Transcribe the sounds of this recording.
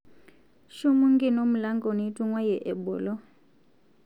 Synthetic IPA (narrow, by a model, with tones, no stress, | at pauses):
ʃu˦mu˦ŋ˦ɡi˦no˦mu˨la˦ŋɡo˨ni˨˦tʼu˦ŋwa˦jɛ˨ʔɛ˨bɔː˨lɔ˦